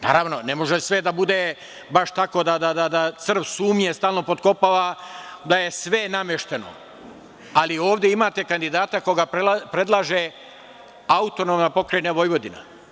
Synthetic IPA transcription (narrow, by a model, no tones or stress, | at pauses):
na̰ːɾaʋno̞nemo̞ʒesʋed̪abud̪e | baʃt̪ako̞d̪ad̪ad̪ad̪at̪sr̩ʋsuːmɲest̪aːlno̞po̞t̪ko̞paːʋad̪aje̞sʋe̞namjeʃt̪e̞no̞̰ | alioːʋd̪jeimaːt̪e̞kand̪id̪aːt̪ako̞ɡapɾe̞d̪lˠaʒe | aut̪o̞nomnapo̞kɾenaʋo̞jʋo̞d̪ina̰